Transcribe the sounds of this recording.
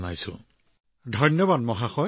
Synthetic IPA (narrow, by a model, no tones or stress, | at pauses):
najsʊ̰̃ | dʱɔjnɔbad̚mɔɦaxɔ